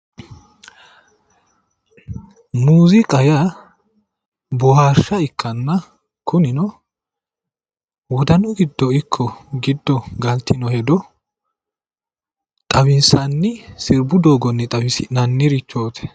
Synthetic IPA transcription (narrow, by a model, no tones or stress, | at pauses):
muːzɪkʼɐja | bɔhaːʃːɐɪkːɐnːɐ | kʊnɪnɔ | wɔd̪ɐnɔɡɪd̪ːɔɪkʰːɔɡɪd̪ːɔɡɐlt̪ʰːɪnɔhɛd̪ɔ | t̪ʼɐwɪnsɐnːɪsɪɾbʊd̪oːɡɔnːɪt̪ʼɐwɪsɪnɐnːɪɾɪt͡ʃːoːt̪ʰɛ̥